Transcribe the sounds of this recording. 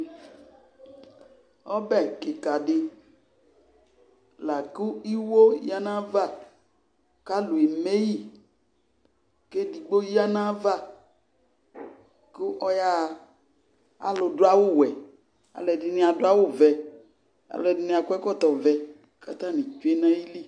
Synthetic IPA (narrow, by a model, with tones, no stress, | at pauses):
ɔ˦bɛ˦˨ke˨ka˨ɖɪ˦ | la˨ku˦i˦wo˦ḭ˦a˦nã˦va˦˨ | ka˦lu˨e˨me˦ji˦ | ke˦di˨ɡ͡bo˦ji˦a˦nã˦va˦˨ | ku˦ʔɔ˦ja˦˨ | a̰˨lo˨do˦a˦wo˦˨wɛ˨ | a̰˨lɛ˨di˨nĩ˨˦a˨do˦a˦wo˦˨vɛ˨ | a̰˨lɛ˨di˨nĩ˦˨a˨ku˦ɛ˦kɔ˦˨t̪ɔ˨vɛ˨ | ka˨t̪ã˦nĩ˨t͡ʃu˦e˦nã˦ji˦li˦